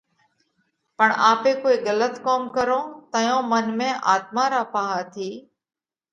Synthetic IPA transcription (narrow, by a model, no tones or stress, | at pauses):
pəɳaːpeːkoːiːɠələt̪koːmkəɾõːt̪əjõːmənmẽːʔaːt̪̚mãːɾaːpaːɦaːt̪ʰiː